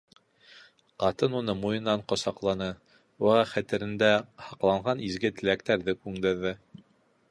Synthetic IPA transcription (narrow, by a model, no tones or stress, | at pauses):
qɑt̪ɤnunɤmujɤ̆nːɑɴqŏsɑqlˠɑnɤ | wæʁɑχæt̪ɘ̆ɾɘ̆nd̪æhɑqlˠɑɴʁɑnizɡɘt̪ɘ̆lækt̪æɾðɘkʉŋd̪ɘ̆ɾðɘ